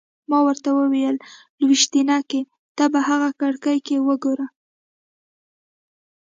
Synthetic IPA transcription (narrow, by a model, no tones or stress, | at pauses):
mɑwəɾt̪awəwijəl | lwiʃt̪inɑke | t̪ɑbahaɣakaɽkajkewəɡoɾa